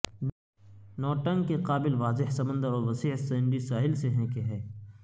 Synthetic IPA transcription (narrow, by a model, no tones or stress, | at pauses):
nɔːʈə̃ŋɡkeqaːbɪlʋaːzɪɦsɐmə̃nd̪əɾɔːɾʋɐsiːɦsɛːɳɖisaːɦɪlseɦɛ̃keɦɛː